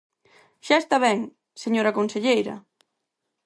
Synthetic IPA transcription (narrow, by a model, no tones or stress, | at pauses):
ʃaest̪aβɛŋ | seɲoɾɐkonseʎejɾɐ̰